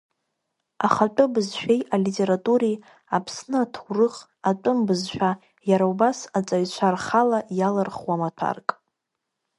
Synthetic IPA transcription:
aχat͡pʷʼʊbɨzʃᶣejalitʼe̞ɾatʼuɾi | apʰsnɨatʰurɨχ | at͡pʼʊmbɨzʃᶣa | jaɾaubasat͡sʼaɥt͡ɕʷʰarχalajalɨrχwamatʷʰa̰rkʼ

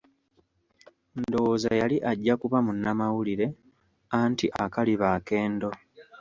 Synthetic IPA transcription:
ndo̞za̰jaliʔaɟːakuβamunːamawuliɾe̞ | antiʔakaliβake̞ːndo̞

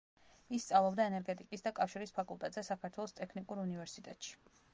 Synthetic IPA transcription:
ist̪sʼalˠɔbd̪aɛnɛɾɡɛt̪ʼikʼisd̪akʼafʃiɾispʰakʼulˠt̪ʼɛt̪ʼzɛsakʰaɾt̪ʰwɛlˠɔst̪ʼɛkʰnikʼuɾunivɛɾsit̪ʼɛt̪ʼʃi̥

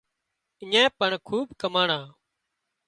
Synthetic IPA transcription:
ɪɲẽːpəɳkʰuːbkəmaːɳãː

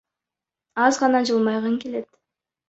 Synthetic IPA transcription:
ɑzʁɑnɑd͡ʒɯlˠmɑjʁɯŋke̞le̞t̪

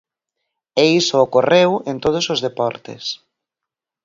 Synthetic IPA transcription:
eisoːkorewent̪oð̞ʊsozðepɔɾt̪ḛs

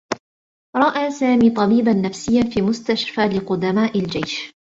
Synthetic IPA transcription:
ɾˤɑʔaːsaːmiːt̪ˤɑbiːbanːafsɪjːanfiːmʊst̪aʃfaːlɪqʊd̪amaːʔɪld͡ʒajʃ

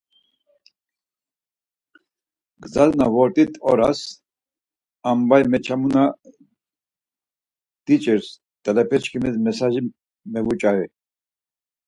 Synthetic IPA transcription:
ɡzaznavɔɾt̪ʼit̪ʰʼɔ̰ɾas | ambajmɛt͡ʃʰamuna | t̪it͡ʃʼɛɾs | t̪ʼɛlɛpʰɛt͡ʃkʰimɛzmɛsaʒi | mɛvut͡ʃʼavɛ

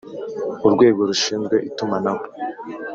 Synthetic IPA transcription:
uɾɡwe̞ːɡo̞ɾuʃiːnzɡwe̞ʔitumanaβwo

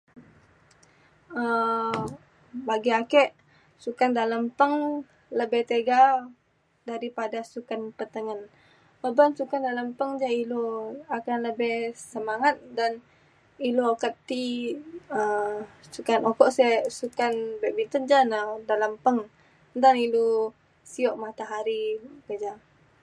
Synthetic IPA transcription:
ə | baɡiakɛʔ | sukandaləmpəŋ | ləbɛht̪eɡa | daɾipadasukanpət̪əŋən | bəbansukandalampəŋd͡ʒailoakanləbɛhsəmaŋat̪̚dan | ilokət̪ːi | əsukanokɔʔsɛsukanbɛʔbint̪ənd͡ʒanadaləmpəŋ | d̪anilo | siɔʔmat̪aɦaɾipəd͡ʒa

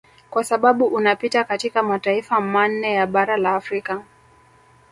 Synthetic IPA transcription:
kwasaɓaɓuʔunapitakatikamataifaman̩ːɛjaɓaɾalaːfɾika

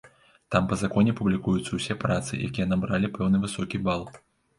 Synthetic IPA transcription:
t̪ampɐzakɔnʲɛpublʲikujut̪sːɐwsʲɛpɾat̪sɨ̰jʔa̰kʲijɐnɐbɾalʲipɛwnɨvɨsɔkʲibalˠ

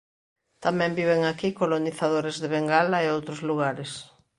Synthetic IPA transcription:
t̪amɛ̃mbiβ̞eŋakikoloniθaðoɾezðeβeŋɡalaeowt̪ɾozluɣ̞aɾes

